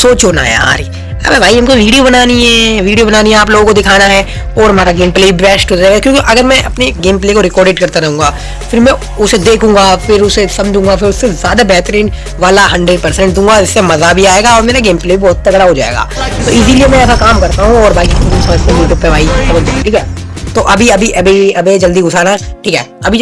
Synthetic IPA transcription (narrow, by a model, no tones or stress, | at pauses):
soːt͡ʃɦoːna̰ɦɛ̰a̰ːɾiː | a̰pɛʋaːiɦɐ̃mkoʋiːɖijobɐnaːniɦɛʋiːɖijobɐnaːniɦɛaːp̬loːɡõkod̪ɪkʰaːnaɦɛ | ɔːɾɦɐmaːɾaɡeːmpleːiʋɛːsʈɦoːd͡ʒaeɡakjõːkiʔɐɡəɾmɛ̃ʔɐpneɡeːmpleːkoɾɪkɔːɾɖeʈkɐɾt̪aɾɐɦũːŋɡaː | fɪɾmɛ̃ | ʊsed̪eːkʰũːŋɡafɪɾʊsesɐ̃md͡ʒʱũːŋɡafɪɾʊsːezjaːd̪abɛːt̪ɾiːn | ʋaːlaɦɐ̃ɳɖeɖ̚pɐɾsɛ̃ɳʈ̚d̪ũːŋɡad͡ʒɪsːemɐzabʱiaːeːɡaɔːɾmeːɾaɡeːmpleːbibɔːt̪̚t̪ɐɡɽaɦod͡ʒa̰ːḛːɡa̰ːt̪oɪs̬iliemɛ̃ɛːsakaːmkɐɾt̪aɦũɔːɾbaːkikːsɐməd͡ʒʱt̪ẽt̪opɛʋaːisɐməd͡ʒ̪ẽiʈʰiːkɦɛː | t̪oʔɐbʱiɐbʱiʔɐbiɐbed͡ʒɐld̪iɡʊsʰaːnaʈʰiːkɛ̰ːɐbʱi